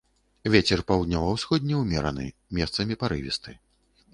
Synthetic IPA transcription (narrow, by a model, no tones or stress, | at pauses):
vʲet͡sʲɛrpawd̪nʲɔvɐwsxɔd̪̚ʲnʲɛwmʲɛɾɐ̰nɨ̰mʲɛst̪sɐmʲipaɾɨvʲist̪ɨ